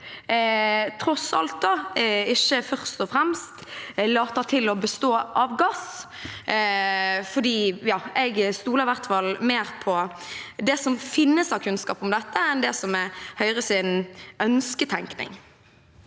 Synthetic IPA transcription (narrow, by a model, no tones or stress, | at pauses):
t̪ʰɾɔsːɑlt̪̚d̪oɪçːəfœʁst̪ɔfɾɛmst̪lɑːt̪ɑt̪ʰɪlɔbəst̪oːʔɑʋɡɑs | fɔd̪iːjɑːɛɡst̪uːləʁʋæʁt̪fɑlmeːɾpʰɔd̪ɛsɔmfɪnːəsɑʋkʰʉnskɑːpɔmd̪ɛt̪ːəɛnd̪ɛsɔmɛhœʏʁəsɪd̩̪ʔœnskət̪ʰɛŋknɪ̰ŋ